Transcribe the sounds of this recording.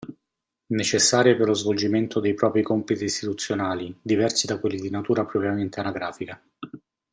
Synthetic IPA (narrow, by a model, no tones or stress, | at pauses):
net͡ʃesːaːɾjeperlozvold͡ʒiment̪ʰod̪ejpɾɔːpɾikɔmpit̪iːst̪it̪ut̪sːjonaːlid̪ivɛrsid̪akwelːid̪inat̪uːɾapɾɔpɾjament̪eanaɡɾaːfika